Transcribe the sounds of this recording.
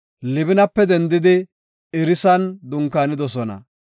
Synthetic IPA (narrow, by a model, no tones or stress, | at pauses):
lɪbɪnɐpːɛd̪ɛnd̪ɪd̪ɪ | ɪɾɪsɐnd̪ʊŋkːaːnɪd̪ɔsɔnɐ̰